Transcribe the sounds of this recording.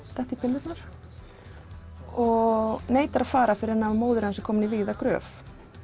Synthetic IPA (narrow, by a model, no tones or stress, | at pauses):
t̪aht̪ipʰɪlːɪt̪naɾ̥ | ɔɣneːjt̪aɾaðfaːɾafɪɾɪɾɛnːamoːwðʏɾɛnsɛkʰɔːmɪniviːðakɾœ̰ːf